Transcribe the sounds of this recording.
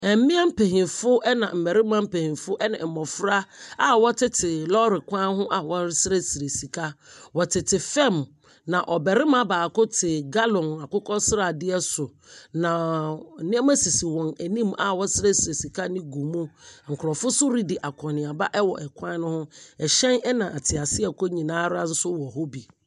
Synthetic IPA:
ɛ˨m̩˦mɪ̃˦a˦m̩˦pʰe˨ɦĩ˨fʊ˦ɛ˦nã̰˨m̩˨mɛ˨ɾɪ˦mã˦m̩˦pe˨hĩ˨fʊ˦ʔɛ˦nã̰˨mɔ˨fɾa˦a˦wɔ˦tʰɪ˦tʰɪ˨lɔ˦ɾɪ˨kʷʰã˦ɦʊ̃˦ʔa˨wɔ˦sɪ˦ɾe˦si˨ɾe˨si˨kʰa˦wɔ˨tʰɪ˨tʰɪ˨fɛ̃˦˨m | nã˨ʔɔ˨bɛ˨ɾɪ˦mã˦baː˨kʊ˦tʰɪ˨ɡa˦lɔ̃˨na˨kʊ˦kʰɔ˦sɪ˦ɾa˨dɪ˦ɛ˦sʊ˨ | nã˨nɪ̃˦ɛ˦ma˦si˨si˨wɔ̃˨næ˨nĩ˦ma̰˨wɔ˦sɪ˦ɾe˦si˨ɾe˨si˨kʰa˦nɪ̃˦ɡu˨mʊ̃˦ŋ̩˨kʰɾɔ˨fʊ˦sʊ˦ɾi˦dɪ˨ʔa˨kʰɔ̃˨nɪ̃˨a˨ba˦ʔɛ˦wɔ˨ʔɛ˨kʷʰã˦nʊ̃˦hʊ̃˦ɛ˨ɕɛ̃˦nɛ˦nã˨ʔa˨tʰɪ˨a˨sɪ˦ɛ˨kʰo˦ɲĩ˨nãː˦ɾa˦n̩˦sʊ˦wɔ˨ɦo˦bi˨

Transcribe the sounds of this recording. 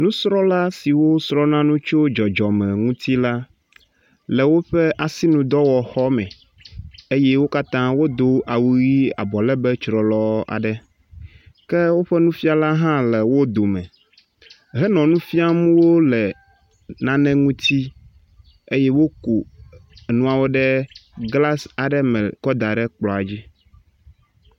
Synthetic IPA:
nũ˦sɾɔ˦la˦si˨wo˦sɾɔ˦nã˦nũ˦t͡ʃo˦d͡ʒɔ˨d͡ʒɔ˨mɛ̃˨ŋũ˦t̪i˦la˦ | lɛ˨wo˦ɸɛ˦ʔa˨si˦nũ˦d̪ɔ˦wɔ˨xɔ˦mɛ̃˨ | e˦jɛ˦wo˦ka˦t̪ã˦wo˦d̪o˦ʔa˨wu˦ɣi˦a̰˨bɔ˨lɛ˦bɛ˦t͡ʃɾɔ˨lɔ˦a̰˨ɖɛ˦ | kɛ˦wo˦ɸɛ˦nũ˦fi˦a˨la˦ɦã˦lɛ˨wo˦d̪o˨mɛ̃˨ | ɦɛ˦nɔ̃˨nũ˦fi˦a˦m̃˦wo˦lɛ˨ | nã˦nɛ̃˦ŋũ˦t̪i˦ | e˦jɛ˦wo˦ku˨ | nũ˦a˨wo˦ɖɛ˦ɡla˦sa˨ɖɛ˦mɛ̃˨kɔ˦d̪a˨ɖɛ˦k͡plɔ˨a˨d͡ʑi˦

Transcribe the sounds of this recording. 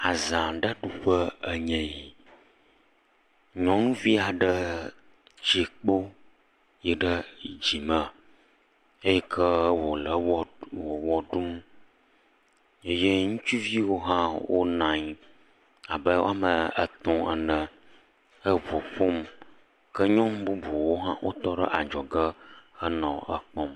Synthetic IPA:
a˨zã˨ɖə˦ɖu˨ɸə˦ə˨ɲɛ̃˨ji˨ | ɲɔ̃˨˦ŋũ˦vi˦a˨ɖə˦ | d͡ʑi˨k͡po˦ | jɛ˨ɖə˦d͡ʑi˨mə̃˨ | e˦jɛ˦kʰə˦wo˨lə˨wwo˨wɔ˨ɖu˦m | e˦je˦ŋũ˦t͡ʃu˦vi˦wo˦ɦã˦wo̰˦nã˨ɲ˨ | a˨bə˦wo̰˦a˦mə˨ə̰˦t̪ɔ̃˦ə˨nə̃˨ | ə˦vo˨ɸo˦m | kə˦ɲɔ̃˦mbu˦bo˨wo˦ɦã̰˦wʔo̰˦t̪ɔ˦ɖə̰˦ʔa˨d͡ʒɔ˨ɡə˦ə˦nɔ̃˨ə˦k͡pɔ̃˦m

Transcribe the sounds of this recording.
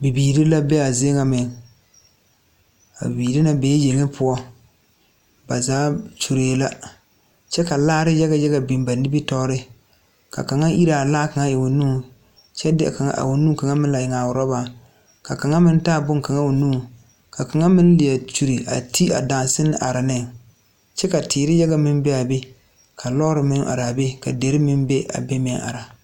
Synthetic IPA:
bi˨biː˨ɾɪ˦la˦bɛ˦a˨ze˦ŋa˨mɪ˨ŋ | a̰˨biː˨ɾɪ˦na˦bɛː˨˦je˨ŋɪ˦pʰʊ˨˦ɔ˦ | ba˨zaː˨˦t͡ʃu˨ɾeː˨˦la˦ | t͡ʃɛ˦ka˨laː˦ɾɪ˦jɛ˦ɡa˨jɛ˦ɡa˨bi˨mba˨nɪ˦bi˦tɔː˦ɾɪ˦ | ka̰˨ka˨ŋa˦ʔi˦ɾa˨a˨laː˦ka˨ŋa˦jɪ˨wo˨nuː˦ | t͡ʃɛ˦dɪ˦a̰˨ka˨ŋa̰˦ʔa̰˨wo˨nuː˦ka˨ŋa˦mɪ̃˦n˦la˨jɪ˨ŋa˨wʊ˨ɾɔ˦ba˨ | ka˨ka˨ŋa˦mɪ˦n˦taː˦˨bʊ˦ŋ˨ka˨ŋa˦wo˨nũː˦ | ka˨ka˨ŋa˦mɪ˦n˦lɪ˨a˨t͡ʃu˨ɾi˨ʔa̰˨ti˦a̰˨da˨nsɪ˦nɪ̰˦ʔa˨ɾa˨nɛ˦˨ | t͡ʃɛ˦ka˨tʰɪː˨ɾɪ˦ja˦ɡa˨mɪ˦mbɛ˦a˨be˦ | kʰa˨lɔ˦ɾɪ˨mɪ̃˦ŋ˦ʔa̰˨ɾa˨be˦ka˨de˨˦ɾɪ˦mɪ˦n˦be˦ʔa̰˨be˦m˦˨ɛ˦ʔa̰˨ɾa˨

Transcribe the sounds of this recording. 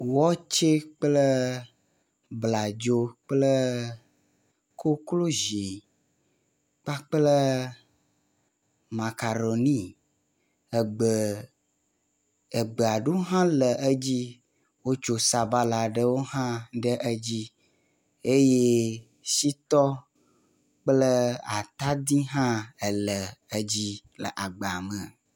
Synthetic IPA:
wɔ˦t͡ʃe˦k͡plə˦ | bla˨d͡ʒo˦k͡plə˦ | kʰo˦klo˦ʒi˨ | k͡pa˦k͡plə˦ | ma˨ka˨ɖo˨nĩ˦ | ə˨ɡ͡bə˨ | ə˨ɡ͡bə˨a˨ɖo˦wo˦ɦã˦lə˨ʔə˦d͡ʑi˦ | wo˦t͡ʃo˨sa˨ba˦la˨ɖə˦wo˦hã˦ɖə˦ʔə˦d͡ʑi˦ | e˦je˦ | si˦t̪ɔ˦ | k͡plə˦a̰˨t̪a˦d̪i˦ɦã˦ə˨lə˨ə˦d͡ʑi˦lə̰˨ʔa˨ɡ͡ba˨mə̃˨

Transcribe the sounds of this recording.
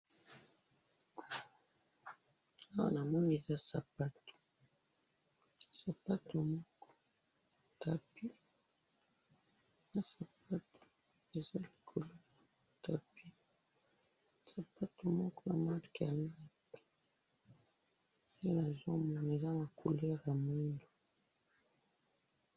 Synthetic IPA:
a˦wa̰˨na˨mɔ˦n˨e˨za˦sa˨pa˦to̥˨ | sa˨pa˦to˨mɔ˦kɔ̥˦ | ta˨pi˦˨ | na˦sa˨p̚a˦tʰo̥˨ | e˨za˦li˨kʰo˨lo˦ja˨ta˨pi˦ | sa˨pa˦to˨mɔ˦kɔ˦na̰˨ma˦˨ki˨ja˨ma˦ki̥˨ | se˦na˨zo˦mɔ˨ne˨za˦ma˨kʰo˨lɛ˦ʁja˨mi˦ndo˨

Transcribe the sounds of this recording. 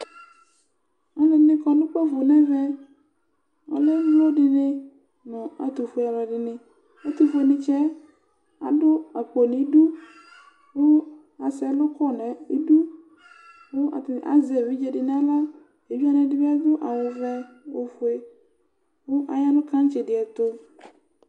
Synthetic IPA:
a˨lɪ˨nɪ̃˦kɔ˨nʊ̃˦k͡pɛ˦vʊ˨nɛ̃˦vɛ˦ | ɔ̰˨lɛ˦blo˦dɪ˨nɪ˦ | nʊ̃˨a̰˨t̪u˨fʊ˨e˨a˨la˨dɪ˨nɪ̃˨ | a˦t̪u˨fʊ˨˦e˨nɪ̃˨t͡ʃɛ˦ | a̰˨dʊ˦a˨k͡po˨nɪ̃˨˦du˦ | ŋʊ˦ | a˨sɛ˦lʊ˦kʰɔ˦nɛ̃˨e˦du˦ | ŋʊ˦a̰˨t̪ɪ˨ʔa̰˨zɛ˨vi˦d͡ʒe˨dɪ˨nɪ̃˦a˦la˦ | e˨vi˦a˦nɛ̃˨dɪ˦bɛ˦a˦d̪ʊ˦ʔa˨wʊ˨vɛ˦ | wo˨fʊ˨e˨ | ŋʊ˦ʔa˨ja˦nʊ̃˦kã˦n˦t͡ʃe˨dɪ˨a˨t̪ʊ˦

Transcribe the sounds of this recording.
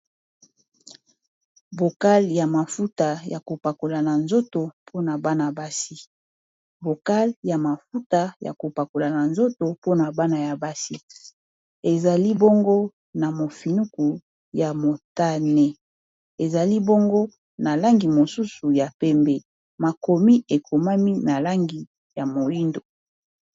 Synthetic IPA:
bo˨ka˦lja˨ma˨fu˦ta˨ja˨ko˨pa˨ko˨la˨na˨nzo˦to˨pʰo˦na˨ba˦na˨ba˦si˦ | vo˨ka˦lja˨ma˨fu˦ta˨ja̰˨ko˨pa˨ko˨la˨na˨nzo˦to˨po˦na˨ba˦na˨ja˨ba˦si˦ | e˨za˨li˦bo˦ŋɡo˦ | na˨mo˨fi˨nu˦ku˨ | ja˨mo˨ta˦nɛ˦ | e˨za˨li˦bo˦ŋɡo˦ | na˨la˦ŋɡi˨mo˨su˦su˨ja˨pɛ˦mbe˨ | ma˨ko˨mi˦e˨ko˨ma˦mi˦na˨la˦ŋɡi˨ | ja˨mo˨li˦ndo˨

